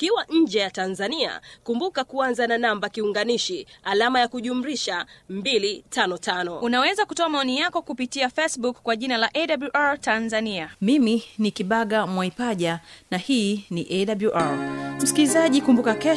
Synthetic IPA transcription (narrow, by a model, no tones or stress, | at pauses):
kiwaɲ̩d͡ʒɛjatanzania̰kumbukakuanzananambakiuŋɡaniʃialamajakuʄum̩ɾiʃambilitanɔtanɔunawɛzakutɔamaɔnijakɔkupitiafɛsɓukːwaʄinalaʔɛɗabluʔaɹtanzaniamiminikiɓaɠamwaipaʄanahiːniʔɛɗabluʔaɹm̩skilizaʄikumbukakɛ